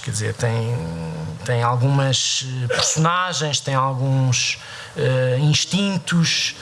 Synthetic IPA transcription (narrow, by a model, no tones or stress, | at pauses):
kɛɾd̪izḛɾt̪ɐ̃j̃ | t̪ɐ̃j̃alˠɣumɐʃɛpɨɾsunaʒẽj̃ʃt̪ɐ̃j̃alˠɣũʃ | ɛĩʃt̪ĩnt̪uʃ